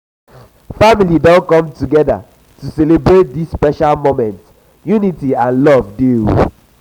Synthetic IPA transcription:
familidɔ̃nkɔ̃mtuɡɛda̰ | tusɛlebɹet̚disːpɛʃalmomɛ̃nt | junitiãnlɔvdu

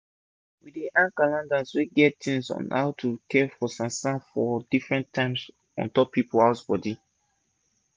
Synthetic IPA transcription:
wideʔãnkalãndasweɡɛttĩŋsɔ̰̃nha̰wtʰukɛfɔsãnsãnfɔdifɹɛ̃ntʰãɪ̃ms | ɔ̰̃ntɔppʰːipoaʊsbɔdi

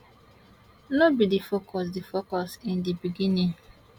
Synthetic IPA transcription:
lobidifokʰɔs̬difokɔsindibiɡiniŋ

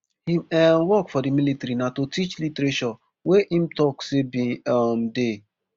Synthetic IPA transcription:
hĩmɛnwɔkfɔdimilitaɾinatotit͡ʃlitɾeʃɔ | weʔim̩tɔksebĩɔm̩de

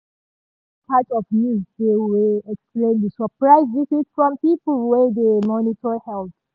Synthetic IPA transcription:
pʰatɔvmizdewilɛksplẽndəsəpʰɹaɪzðisɪz̥fɹɔ̃mpipəl̩ˠwɛdemɔnitʰɔhɛlˠθ

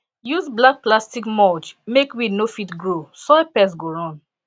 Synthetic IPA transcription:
juzblak̚plastikmɔlt͡ʃmekwinofitɡɹosɔɛpɛs̬ɡoɹɔ̃n

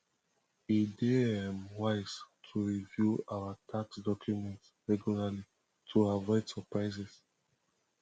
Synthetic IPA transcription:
ideɛmwaɪstʰuɹivjuaatʰaksdɔkʰjumɛ̃ntsɹɛɡjulali | tʰuavɔɪdsəpɹaɪsɛs

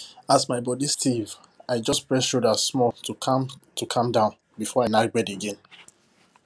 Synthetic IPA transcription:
asmaɪbɔdistʰiv | aɪd͡ʒɔspɹɛsʃodəsmɔltumtʰukʰãmdãʊ̃n | bifɔaɪnaɡɹɛdeɡɛ̃n

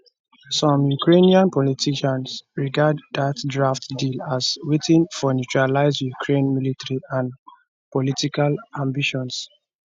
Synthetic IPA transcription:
sɔ̃mjukɹeniãnpɔlitʰiʃãnsɹiɡaddatdɹaftdilaswetʰĩnfɔnut͡ʃɹalaɪzjukʰɹẽnmilitaɹiãn | pɔlitikalãmbiʃɔ̃ns

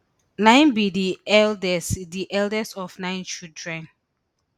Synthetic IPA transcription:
nãɪ̃nbidiɛldɛsdiʔɛldɛstɔfnãɪ̃nt͡ʃildɹɛ̃n

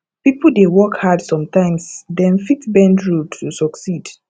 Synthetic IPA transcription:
pipəldewɔkhadsɔ̃mtãɪ̃msdɛ̃nfitbɛ̃ndɹudtusɔksid

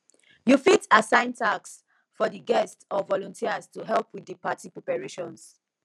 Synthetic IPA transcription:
jufitasãɪ̃ntʰaks | fɔdiɡɛstɔvɔlɔ̃ntʰiastuɦɛlˠpwiðipatipɹɔpɛɹeʃɔ̃ns

